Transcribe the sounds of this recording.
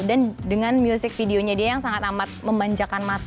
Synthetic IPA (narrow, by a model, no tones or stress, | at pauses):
dandəŋanmjusɪk̚fideoɲadiajaŋsaŋat̪amat̪̚məmbaɲd͡ʒakanmat̪